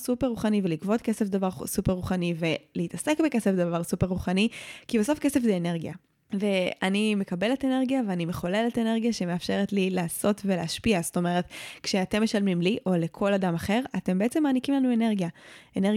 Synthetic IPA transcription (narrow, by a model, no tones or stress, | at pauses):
supeʁːuχanivelikvo̞tkesefd̪avaʁsupeʁːuχanive̞lehitase̞kbekesefdavaʁsupeʁːuχanikibeso̞fkesefzɛːne̞ʁɡja̰ | ve̞anime̞kabe̞le̞tene̞ʁɡijaveanime̞χo̞leletene̞ʁɡijaʃe̞meafʃe̞ʁetlilaːso̞tve̞leaʃpiasto̞me̞ʁ̞etkʃeate̞mːe̞ʃalmimliʔo̞le̞kʰo̞ladamaχe̞ʁate̞mbeet͡se̞maːnikimlanue̞neʁɡijaene